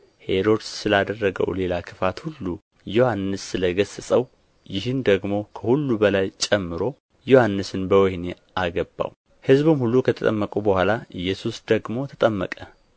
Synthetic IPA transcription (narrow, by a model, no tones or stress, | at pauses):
he̞ɾo̞d̪sɨlad̪ərːəɡə̰wle̞lakʰɨfat̪hulːu | jo̞hanːɨsːɨləɡəsɨsʼəw | jɪɦɨnd̪əɡmo̞kʰəhulːubəlajt͡ʃʼɛmːɨɾo̞ | johanːɨsɨnbəwɔhne | aɡəbːa̰w | hɨzbɨmhulːukʰət̪ʰət̪ʼəmːəkʼubəhwalaʔɨjːɛsusd̪əɡmo̞t̪ʰət̪ʼəmːə̰kʼə